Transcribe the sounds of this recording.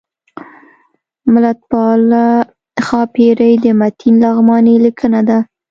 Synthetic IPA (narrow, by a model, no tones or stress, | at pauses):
mʊlat̪̚pɑla | xɑpeɾəjd̪əmat̪ʰinlɑɣmɑnelikʰənad̪a